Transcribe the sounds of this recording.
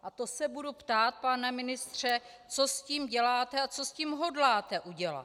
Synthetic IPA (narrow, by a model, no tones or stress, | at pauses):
ʔat̪o̞sɛbudupt̪aːt̪̚panamɪnɪst̪r̝̥ɛ | t͡sosciːmɟɛlaːt̪ɛat͡so̞sciːmɦo̞dlaːt̪ɛʔuɟɛla̰